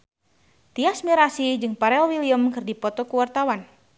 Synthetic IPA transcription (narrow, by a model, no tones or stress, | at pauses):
t̪iasmiɾasid͡ʒɨŋpaɾɛlwiliəmkɨrdipɔt̪ɔkuwart̪awan